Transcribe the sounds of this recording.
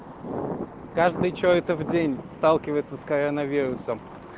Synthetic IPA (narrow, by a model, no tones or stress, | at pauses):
kaʐd̪ɨjt͡ɕoɛt̪əvdʲenʲst̪alˠkʲɪvəjɪt̪səskɐɾonəvʲeɾʊsəm